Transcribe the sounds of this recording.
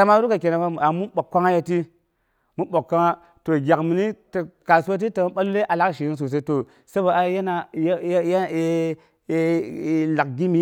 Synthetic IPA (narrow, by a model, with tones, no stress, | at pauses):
a˨ma˦ɾu˦ka˨ke˨na˨ma˦m˨a˨mu˦nɓo˨kːa˦ŋa˦ja˦ti˦ | mu˦ɓo˨kːa˦ŋa˦ | to˨ɡʲa˨kmi˨ni˦ta˨ka˨su˦wa˦t̬i˦ta˨m˦ɓa˦lu˦le˦ʔa˨la˦kʃi˨i˦ns̬u˨s̬e˦to˨ | se˦ba˨a˨ja˦na˨jje˦˨ | la˨kɡʲi˦mi˦